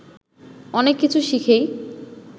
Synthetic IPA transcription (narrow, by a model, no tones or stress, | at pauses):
ɔnekːit͡ɕʰuʃikʰej